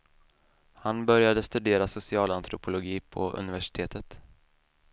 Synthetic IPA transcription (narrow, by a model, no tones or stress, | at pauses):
hanbœɾjad̪əst̪ɵd̪eːɾasʊsɪɑːlant̪ɾʊpʰʊlʊɡiːpʰɔ̰ʔɵ̰nɪvæʂɪ̥t̪ʰeːt̪ʰət̪